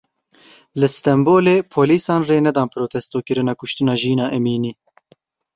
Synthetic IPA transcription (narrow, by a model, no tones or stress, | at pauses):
lɨst̪ɛmboːleːpʰoːliːsɑːnreːnɛd̪ɑːnpʰɾoːt̪ʰɛst̪oːkɨɾɨnɑːkʊʃt̪ɨnɑːʒiːnɑːʔɛmiːniː